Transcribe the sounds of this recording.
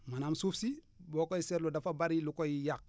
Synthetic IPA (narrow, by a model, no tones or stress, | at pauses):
manamsufsi | bokoiseɾludafabaɾilukojijak̚